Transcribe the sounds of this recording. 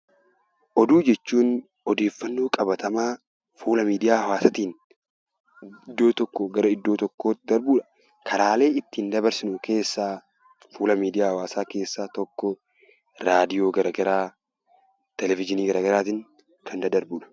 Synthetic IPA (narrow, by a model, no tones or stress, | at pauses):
ʔɔd̪uːd͡ʒɛt͡ʃːuːn | ɔd̪e̞ːfːɐnːoːkʼɐbɐt̪ʰɐmaː | fuːlɐmiːd̪ɪjaːhɐwaːsɐt̪iːn | d̪ːo̞ːt̪ɔkːɔɡɐɾɐɪd̪ːoːt̪ɔkːoːd̪ɐɾbuːᶑɐ̥ | kʰɐɾaːle̞ːɪt̪ːɪnd̪ɐbɐɾsɪnʊke̞ːsːaː | fuːlɐmiːd̪ɪjaːhɐwaːsaːke̞ːsːaːt̪ɔkːɔ | ɾaːd̪ɪjo̞ːɡɐɾɐɡɐɾaː | t̪ɛlɛfɪd͡ʒɪniːɡɐɾɐɡɐɾaːt̪iːŋ | kʰɐnd̪ɐd̪ɐɾbuːᶑɐ̥